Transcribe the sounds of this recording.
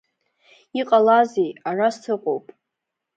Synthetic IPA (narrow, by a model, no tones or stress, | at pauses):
iqʼalazejarastʰɨqʷʼowpʼ